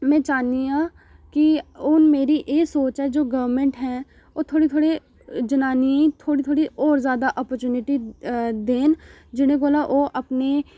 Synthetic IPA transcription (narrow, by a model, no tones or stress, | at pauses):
mɛ̃ːt͡ʃaːnia | kiʊnmeːɾiʔeːsoːt͡ʃɦɛd͡ʒoːɡɐʋɾmẽɳʈɦɛ̃ | oːt̪ʰoːɽit̪ʰoːɽe | d͡ʒɐnaːniĩt̪ʰoːɽit̪ʰoːɽiʔɔːɾzjaːd̪aʔɔːpəɾt͡ʃuːnɪʈid̪eːn | d͡ʒɪnẽkoːlaʔoːʔɐpne